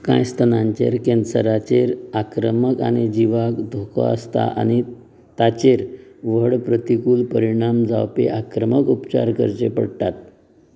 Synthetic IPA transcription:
kã̰jst̪ʰənãɲt͡ɕeɾkẽnsəɾat͡ɕeɾakɾəməkaɽ̃id͡ʑiʋakd̪ʱokɔ̰əst̪a̰ʔa̰ñi | t̪at͡ɕeɾʋəɽpɾət̪ikuːlpəɾiɽ̃amd͡zawpḛʔakɾəməkupt͡ɕa̰ɾkəɾt͡ɕepəɽt̪at̪̚

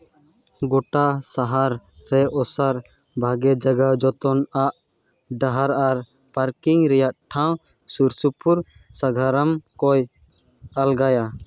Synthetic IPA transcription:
ɡɔʈasaɦaɾːɛʔɔsaɾ | bʱaɡɛd͡ʒaɡad͡ʒɔt̪ɔnaʔ | ɖaɦaɾaɾ | paɾkiŋɾɛjaʔʈʰãw̃ | suɾsupuɾ | saɡʱaɾamkɔj | alɡaja

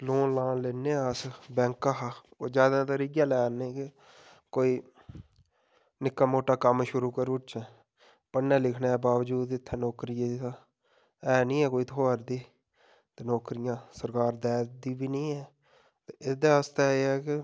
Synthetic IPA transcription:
loːnlãːleːneːəsbɛ̃ːŋkːaɦaoːd͡ʒjaːd̪at̪aɾɪãːlɛːneːkɪ | koːiː | nɪkːaːmoːʈaːkəmʃʊɾuːkəɾʊt͡ʃɛ̃ː | pənːɛ̃ːlɪkʰnaːbaːʋd͡ʒuːd̪ɪt̪ʰːɛːnoːkɾɪjã | ɛːnĩːɛːkoːiːt̪ʰoːɾd̪iː | t̪enɔːkɾɪjãːsəɾkaːɾd̪ɛːd̪iːbiːnĩːɛː | t̪eɪd̪aːəst̪aːeːɛːkɪ

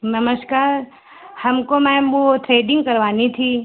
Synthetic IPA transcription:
nəməskaːɾ | hɐmkomɛ̃mot̪ʰɾeːɖɪ̃ŋɡkɐɾʋaːnit̪ʰi

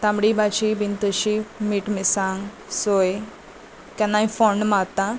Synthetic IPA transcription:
t̪ãmɽibat͡ɕibint̪əɕimiʈmisãŋɡ | soj | kãnːaĩfɔɳɖmat̪ã

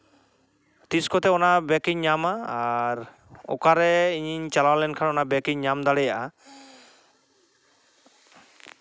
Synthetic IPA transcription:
t̪iskɔt̪ɛɔnabɛkiɲɲamaaɾ | ɔ̰kaɾɛiɲt͡ʃalawlɛnkʰanɔnabɛkiɲɲamd̪aɽɛjaʔa

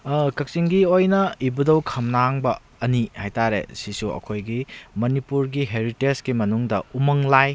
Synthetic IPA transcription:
kɐk̚siŋɡiojnɐibudɐwkʰɐmnaŋbɐ | ɐnihajtaɾḛsisuɐ̰kʰojɡimɐnipuɾɡiɦeɾitesɡimɐnuŋdɐ̰umɐŋlaj

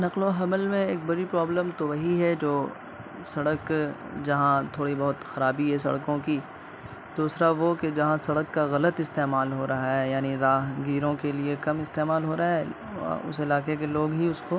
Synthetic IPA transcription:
nɐqloɦɐməlmẽeːk̚bɐɽipɾaːbləmt̪oʋɐɦiɦɛd͡ʒoː | sɐɽəkd͡ʒɐɦãt̪ʰoːɽibɐɦʊt̪xɐɾaːbiɦɛsɐ̰ɽkõki | d̪uːsɾaʋoked͡ʒɐɦãsɐɽəkːaɣɐlət̪ɪst̪eːmaːlɦoɾɐɦaɦɛjaːniɾaːɦɡiːɾõkeliekɐmɪst̪eːmaːlɦoːɾaaɦɛ̰ | ʊ̰sɪlaːqek̬eloːɡɦiʊsko

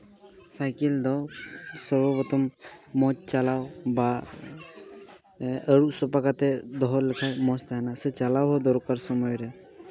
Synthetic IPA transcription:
sajkild̪ɔsɔɾbɔbɔt̪ɔmmɔt͡ʃt͡ʃalawba | əɾuk̚sɔpakat̪ɛd̪ɔɦɔlɛkʰajmɔt͡ʃt̪ʰaɦnaset͡ʃalawɦɔd̪ɔɾkaɾsɔmɔjɾɛ

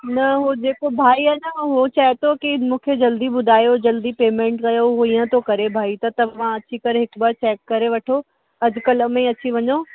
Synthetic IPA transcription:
nɐɦud͡ʑeːkobʱaːiɐnəɦot͡ɕaːet̪okimũːkʰed͡ʑɐld̪ibʊd̪ʱaːjod͡ʑɐld̪ipeːmẽɳʈkɐjoɦuiːə̃t̪ʰokɐɾebʱaːit̪ɐt̪ɐʋ̤ãɐt͡ɕikɐɾeɦɪkbaɾt͡ɕɛːkːɐɾeʋɐʈʰo | ɐd͡ʑkɐləmẽɐt͡ɕiʋɐɲo

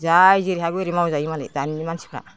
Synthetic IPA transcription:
zajziɾiɦaɡueɾimawzajmalḛdaniimansi̥kʰa̰

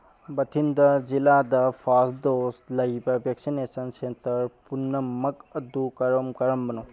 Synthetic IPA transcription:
bɐt̪ʰind̪ɐd͡ʒilaːd̪ɐfʰaːsd̪oːslɐjbɐbjɐksineːsɐnsent̪ɐɾpunːɐmːɐkɐd̪ukɐɾɐmkɐɾɐmbɐnu

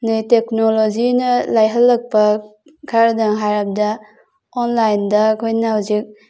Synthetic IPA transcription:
nɯjtek̚nolod͡ʒinɐlajɦɐlːɐk̚pɐ | kʰaɾdaŋɦaɾap̚da | onlajndɐkʰojnawzik̚

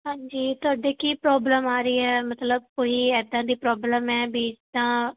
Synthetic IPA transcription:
ɦãːɲd͡ʒiːt̪ʊaːɖeːkiːpɾɔːbləmaːɾəiːɛːmət̪ləb̚koːiːɛːd̪ãːd̪iːpɾɔːbləmɛːbiːd͡ʒd̪ãː

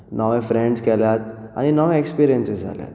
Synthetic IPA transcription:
nʔɔʋẽfɾẽɳɖskɛljat̪a̰ninɔʋẽekspiːɾijənsesa̰lja̰t̪

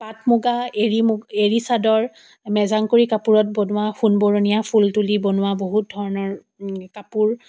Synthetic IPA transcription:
patmuɡaeɹimeɹisadɔɹ | mɛzaŋkoɹikapuɹɔt̚bɔnʊwaxunbɔɹonijapʰultulibɔnʊwaboɦut̚dʱɔɹɔnɔɹ | kapuɹ

